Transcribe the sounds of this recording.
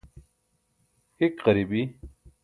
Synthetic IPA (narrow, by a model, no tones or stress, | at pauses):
hikqɐɾibi